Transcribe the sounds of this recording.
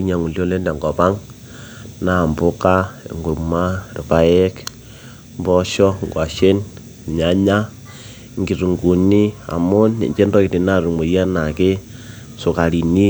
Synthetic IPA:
i˦ɲa˨ŋu˨ljo˦le˦nda˨ŋɡɔ˨pa˦ŋ | na˦˨mbʊ˦ka̰˦˨ŋɡu˨ma˦ɾḭ˨pa˦jɛ˦k | mbɔ˦ʃɔ˦ŋɡwa˨ʃe˦n˨ | ɲa˨ɲa˦ | ŋɡi˨ɾu˨ŋɡu˨ni˦a̰˨mʊ˦nḛ˨ɲt͡ʃe˦ndɔ˦ki˨ti˨na˦ɾu˨mo˨ja˦na˨ke˦ | sʊ˨ka˨ɾi˨ni˦

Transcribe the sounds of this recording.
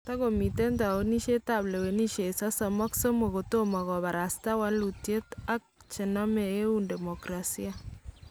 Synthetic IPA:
ta˦ɣo˨mi˨te˦nta˨wo˦ni˦ʃe˦ta˦˨ble˨we˨ni˦ʃe˨sa˦sɔ˨mɔ˦kso˦mo˨ɣo˨to˦ma˨ɣɔ˨βa˨ɾa˨sta˦wa˦nlu˨tje˦ta˦k̚t͡ʃɪ˨nɔ˦me˨e˦u˦nde˨mɔ˨kɾa˨si˦a˨

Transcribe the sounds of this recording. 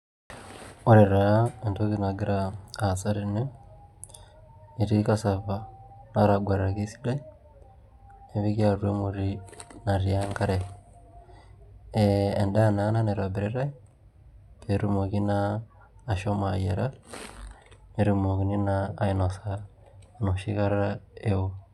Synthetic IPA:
o˦ɾe˨ɾa˨e˨nto˦ki˦na˨ɡi˦ɾa˨a˨t͡sa˦ɾi˨ne˦ | i˨ɾi˦ka˦sa˨βa˨na˦ɾa˨ɡwa˨ɾɾa˨ki˦si̥˦la˦ | e˨βi˦kja˦rwe˦mu˨ɾi˦na˨ɾia˦ŋka˦ɾe˨ | ee˨nda˦na˨˦na˦ne˨ɾa˨be˨ɾe˦ɾa˦ | pʰe˨ɾu˦mo˨ki˦naː˨ | ʃo˦ma˨je˨ɾa˦ | ne˨ɾi˨mo˨ki˨ni˦naː˦ino˨sa | no˨ʃi˦ka˦ɾɾa˦e˦o˦

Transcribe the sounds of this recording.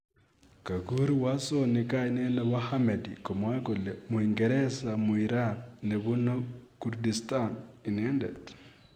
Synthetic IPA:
ka˨ɣu˦ɾiwa˦soni˨ka˦ine˦na˦wa˦hame˨diko˨mwa˦ko˨lemwiŋɡeɾe˦sa˨muiɾane˨βuno˦kuɾdistani˨ne˦ndḛd

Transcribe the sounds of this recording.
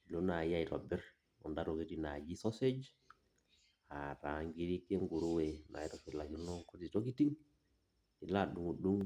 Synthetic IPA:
lo˦na˨ja˦i˨ɾɔ˨bɛ˦ɾ | ɔ̰˨ndaɾo˨ki˦tina˨d͡ʒi˦sɔ˦se˦d͡ʒ | a˨ɾa˨ŋɡi˦ɾi˦ke˦ŋɡu˨ɾu˦we˨na̰˨i˦tɔ˨fi˨la˨d͡ʒu˦lɔ˦ŋko˦ti˨to˦ki˦ti˦ŋ | i˨laɗu˨ŋu˨ɗu˦ŋ

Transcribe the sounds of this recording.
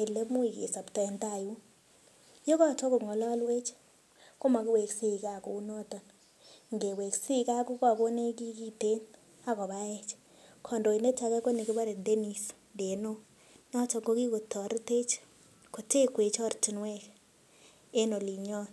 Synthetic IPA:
e˨le˦mu˦i˨kḛ˨sa˨ptɔ˨ɛ˨nta˦˨ju˦ | jo˦kɔ˦t͡ʃɔ˦ko˨ŋɔ˨lɔ˦lwe˦t͡ʃ | ko˦ma˨kɪ˦we˨ksi˦˨ka˨ko˨u˦nɔ˦tɔ˨n | ŋɡe˨we˨ksi˦ka˦ku˦ka˨ko˦ne˦ki˦ki˦te˦n | a˦kɔ˨βa˦ɛ˦t͡ʃ | kʰɔ˨ndo˨i˨ne˦t͡ʃa˨˦kɛ˦ko˦ni˨ki˦ba˦ɾe˨de˦ni˨s | de˨no˦ | nɔ˦t͡ʃɔ˨ŋɡo˦ki˦ko˨tːɔ˨ɾte˦t͡ʃ | ko˨te˦kwe˨t͡ʃɔ˦rti˨nwɛ˦k | e˦no˨li˨ɲɔ˦n

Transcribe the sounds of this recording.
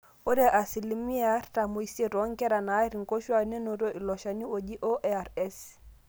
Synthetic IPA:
o˦de˦ʔa˨si˨li˨mi˦a˦rta˨mo˨i˨se˦ɾo˨˦ŋkɛ˦ɾa˨na˨˦i˦ɾi˨ŋ˨ko˦ʃwa˨ne˦no˨ɾo˦ʔi˨lɔ˨ʃa˨ɲi˦o˨d͡ʒi˦ʔo˦ʔea˨rɛ˦s

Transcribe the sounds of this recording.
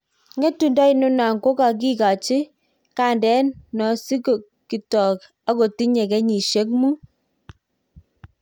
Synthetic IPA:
ŋɡɛ˦tu˨nda˦i˨nʊ˦na˨ŋko˦ka˨k̬i˦ka˨t͡ʃi˦ | ka˦˨ndɛ˨˦nːɔ˨si˦ko˨ | ki˨tɔ˨k | a˦ko˨ti˦ɲɛ˨kɛ˦ɲi˨ʃe˨˦k̚mu˦

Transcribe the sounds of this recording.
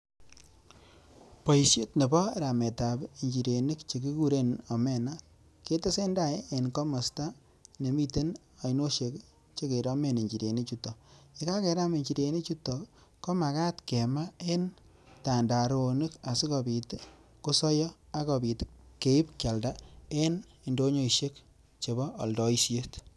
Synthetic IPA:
po˨i˨sje˦tne˨bɔ˦ɾa˨me˨ta˨bi˨ɲd͡ʒi˨ɾe˨ni˦kt͡ʃe˨ki˦ku˦ɾe˦nɔ˨me˦na˦ | ke˦te˦se˦nda˦e˦e˨nko˦mɔ˨sta˦ | ne˨mi˦te˦n | a˨ino˦ʃe˨k | t͡ʃe˦ke˨ɾa˦me˦˨ne˨ɲd͡ʒi˨ɾe˨ni˦t͡ʃu˦tɔ˨i˨ka˦ke˨ɾa˦me˨ɲt͡ʃi˨ɾe˨ni˦t͡ʃu˦tɔ˨ | ko˦ma˨ka˦tke˨ma˦e˦n | ta˨nda˨ɾo˨ni˦ka˨si˦ko˨bi˨tko˦sɔ˦jɔ˦a˦ko˨bi˨tke˨i˦pkja˨lda˦e˦n | i˨ndo˦ɲo˦i˨ʃe˦k̚ | t͡ʃe˨bɔː˦˨ldɔ˨i˦sje˦t

